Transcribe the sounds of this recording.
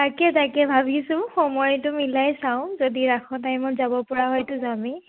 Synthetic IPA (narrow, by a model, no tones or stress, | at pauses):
takɛtakɛbʱabʱisʊ̃xɔmɔjtʊmilajsaʊ̃zodiɹakʰɔtajmɔzabɔpɔɹaɦɔjtʊzami